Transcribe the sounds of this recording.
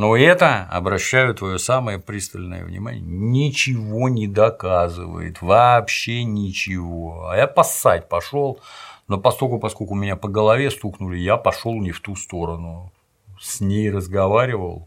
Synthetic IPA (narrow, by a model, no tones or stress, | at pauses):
no̞ɛt̪əɐ̰bɾɐɕːæjʊt̪ːvɐjo̞saməjəpɾʲist̪əlʲnə̰jə̰vnʲɪ̰ma̰nʲɪ̰jənʲɪt͡ɕɪvo̞nʲɪd̪ɐkazɨ̰və̰jɪ̰t̪vɐpɕːenʲɪt͡ɕɪvo̞a̰japɐsːat̚ʲpɐʂo̞lˠno̞pɐsko̞lʲkʊpɐskokʊmʲɪnʲapəɡəlˠɐvʲe̞st̪uknʊlʲɪjapɐʂo̞lˠnʲɪft̪ust̪o̞ɾənʊ | sʲnʲejrəzɡɐvaɾʲɪvə̰lˠ